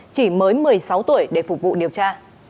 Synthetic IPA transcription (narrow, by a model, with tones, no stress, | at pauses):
t͡ɕi˧˩məː˨˦jmɨ˨˩əjsa˨˦wt̪u˧˩əjɗe˧˩fʊ˨˩k͡p̚vṵ˧˨ɗi˨˩əwt͡ɕaː˧